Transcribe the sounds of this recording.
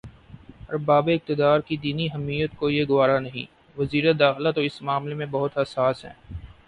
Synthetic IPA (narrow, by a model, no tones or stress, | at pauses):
ɦɐɾbaːbeɪk̚t̪ɪd̪aːɾkid̪iːniɦɐmːiːjət̪̚kojeɡʊʋaːɾanɐɦḭ̃ | ʋɐziːɾed̪aːxɪlat̪oɪsmaːmlemẽbɐɦʊt̪ɦɐsaːsɦɛ̰ː